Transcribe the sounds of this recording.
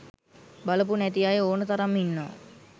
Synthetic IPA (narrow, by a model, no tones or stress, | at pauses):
baləp̬unɛt̪iajəoːnət̪aɾamːinːo̰ː